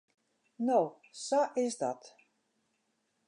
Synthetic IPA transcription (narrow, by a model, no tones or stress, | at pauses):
now | saʔɪsdɔt